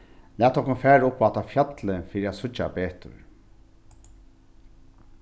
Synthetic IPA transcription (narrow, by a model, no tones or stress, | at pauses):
læːt̪ʰːɔhkʊnfæːɾʊpːat̪afjœt̪lɪnfiːɾiæt̪sʊt͡ʃːa̰peːht̪ʊ̰ɹ